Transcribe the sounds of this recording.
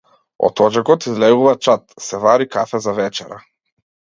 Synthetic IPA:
ɔ̰t̪ɔd͡ʒakɔt̪izlɛɡuvat͡ʃat̪sɛvaɾikafɛzavɛt͡ʃɛɾa̰

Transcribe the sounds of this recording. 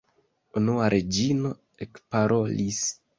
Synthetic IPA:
unuaɾʔe̞d͡ʒino̞ | ekpaɾʔo̞lis

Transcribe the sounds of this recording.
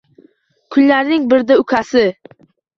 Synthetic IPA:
kʰʊnlaɾnɪŋbɪɾd̪aʊkʲʰasɪ

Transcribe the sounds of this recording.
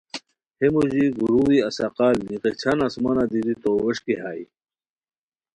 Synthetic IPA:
hemuʑiɡuɾuːwiɐsaqaːlniqet͡ɕʰanasmanad̪id̪it̪oweʂkeɦaːi

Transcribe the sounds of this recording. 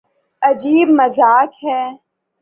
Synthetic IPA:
ɐd͡ʒiːbmɐzaːkɦɛː

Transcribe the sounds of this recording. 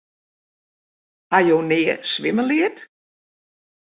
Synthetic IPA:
hajownɪːəsʋɪməlɪət

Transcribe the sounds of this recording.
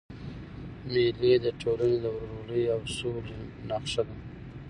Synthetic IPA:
meled̪əʈʰolaned̪əwɾɾoləjawsolenaqʂad̪a

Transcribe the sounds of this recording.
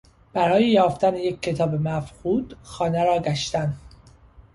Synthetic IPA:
b̥æɾɒːjejɒːft̪ænejecʲʰːe̞t̪ʰɒːbemæfquːd̪̥xɒːneɾɒːɡæʃt̪æn

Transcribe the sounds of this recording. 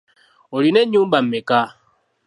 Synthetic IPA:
oɾineɲubam̩meka

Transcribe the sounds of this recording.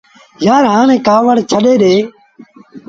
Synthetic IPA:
jaːɾɦãːnẽːkaːʋəɽt͡ʃʰəɗeːɗ̪eː

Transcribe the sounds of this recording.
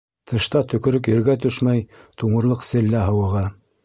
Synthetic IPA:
t̪ʰɤ̆ʃt̪ɑt̪ɵ̆kɵ̆ɾɵkjɵ̆ɾɡæt̪ɵʃmæjt̪uɴɤ̆ɾlˠɤqsɘ̆lːæɦɤ̆wɤ̆ʁɑ

